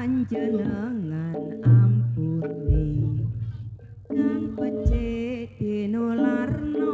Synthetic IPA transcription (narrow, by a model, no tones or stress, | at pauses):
aɲd͡ʒənəŋanampunte | naŋpət͡ʃet̪enularno